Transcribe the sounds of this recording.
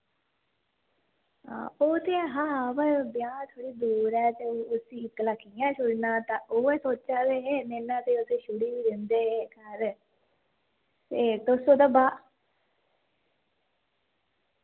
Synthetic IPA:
oːt̪eɦãːbəɾbjaːt̪ʰoːɽiːd̪uːɾɛːt̪eːoːʊsiːɪkləkʰːijãːt͡ʃʊɽnãːt̪ãːʔoːɛːsoːt̪ːt͡ʃaːʋeːɦɛːmɛːnːãːt̪eːot̪eːʃʊɽiːʋiːd̪ɪnd̪eːɦɛːkəɾ | t̪eːt̪osoːd̪aːbaː

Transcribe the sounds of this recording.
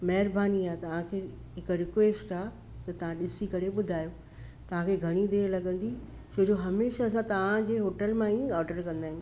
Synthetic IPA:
mɐɦɪɾbaːniaːt̪ɐʋ̤ãkʰeː | ɦɪkɾɪkʋeːsʈaː | t̪ɐt̪ɐʋ̤ãɗɪsikɐɾeɓʊd̪ʱaːjoː | t̪ɐʋ̤ãkʰeːɡʱɐɽ̃id̪eːɾlɐɠə̃nd̪i | t͡ɕʰoːd͡ʑoɦɐmeːʃaɐs̬ãt̪ɐʋ̤ãd͡ʑeːɦoːʈəlmãiɔːɾɖəɾkɐ̃nd̪aːɦɪ̃

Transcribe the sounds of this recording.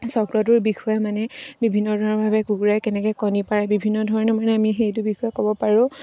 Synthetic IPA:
sɔkɹɔt̬ʊɹbixʰujamanɛbibʱinːɔdʱaɹɔbʱabɛkuɡuɹajkɛnɛkɔjkɔnipaɹɛbibʱinːɔdʱɔɹɔnɛmanɛamixejt̬ʊbixʰujakɔbɔpaɹʊ̃

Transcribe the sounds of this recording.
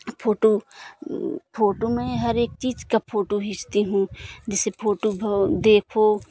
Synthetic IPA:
pʰoːʈo | pʰoːʈomẽɦɐɾeːk̚t͡ʃiːd͡ʒkapʰoːʈoɦɪst̪iɦũːd͡ʒɛsepʰoːʈobd̪eːkʰoː

